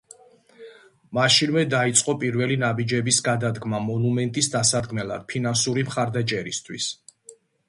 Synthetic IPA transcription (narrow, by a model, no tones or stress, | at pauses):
maʃinvɛd̪ait̪sʼqʼɔpʼiɾvɛlinabid͡ʒɛbisɡad̪ad̪ɡmamɔnumɛnt̪ʼisd̪asad̪ɡmɛla̰d̪̥̚pʰinansuɾimχaɾd̪at͡ʃʼɛɾist̪ʰwis